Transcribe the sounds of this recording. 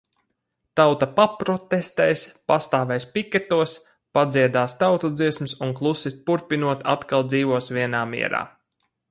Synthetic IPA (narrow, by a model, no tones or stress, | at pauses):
t̪awt̪apapɾɔt̪ɛst̪ɛjspast̪aːvɛjspikʲɛt̪uɔs | pad̪ziɛd̪aːst̪awt̪azd̪ziɛsmisunklˠusipuɾpʲinuɔt̪a̰t̪kalˠd̪ziːʋuɔsviɛnaːmḭɛɾa̰ː